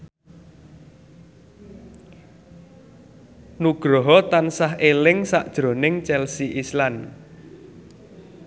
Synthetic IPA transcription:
nuɡ̥ɾɔɦɔt̪ansaɦelɪŋsaʔd̥ʒ̥ɾo̤nɪŋt͡ʃɛlsiʔislan

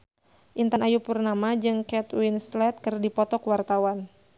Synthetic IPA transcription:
ʔint̪anajupurnamad͡ʒɨŋkɛt̪winslɛt̪̚kɨrdipɔt̪ɔkwart̪awan

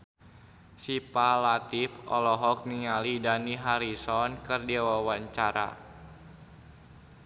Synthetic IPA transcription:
sipalat̪ipɔ̰lɔɦɔk̚niŋalidaniɦaɾisɔnkɨrdiawawaɲt͡ʃaɾa̰

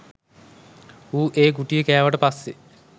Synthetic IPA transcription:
uːʔeːɡuʈijəkæːʋaʈəpasːe

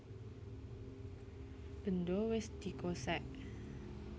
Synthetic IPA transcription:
b̥əndowɪsd̪̥ikosɛʔ

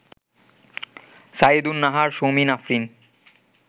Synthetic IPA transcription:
said̪unːaɦaɾʃominafɾin

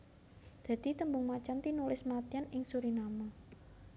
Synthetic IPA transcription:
d̪̥ä̤d̪̥i̤t̪əmbʊŋmat͡ʃant̪inulɪsmat̪ianɪŋsuɾinama

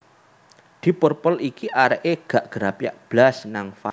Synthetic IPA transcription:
d̪̥i̤pɔrpɔlikiʔaɾəʔeɡ̥a̤ʔɡ̥əɾapja̰ʔb̥lasnaŋfa

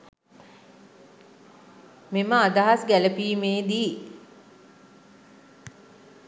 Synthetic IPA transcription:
meməad̪aɦasɡæləpiːmeːd̪iː

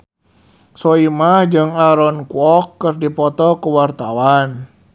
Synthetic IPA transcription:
sɔimahd͡ʒɨŋaɾɔnkuɔkːərdipɔt̪ɔkuwart̪awan

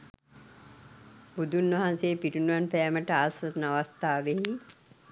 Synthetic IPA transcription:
bud̪ʱunʋɐɦanseːpiɾunʋanpæːməʈəasət̪naʋast̪aːʋeɦi

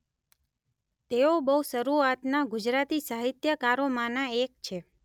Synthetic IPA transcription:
t̪eobəusəɾuat̪naɡʊd͡ʒɾat̪isaɦit̪jəkaɾomãnaek̚t͡ʃʰe

